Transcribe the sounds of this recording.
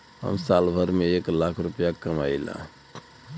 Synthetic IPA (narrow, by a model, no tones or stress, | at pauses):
ɦə̰msalbʱəɾmeeklakʰɾupjakəma̰ila̰